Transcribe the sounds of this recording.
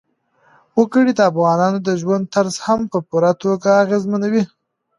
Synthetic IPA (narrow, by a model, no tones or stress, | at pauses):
wəkəɽid̪əafɣɑnɑnod̪əʒwand̪̚t̪aɾzhampəpuɾat̪oɡaːɣezmanawi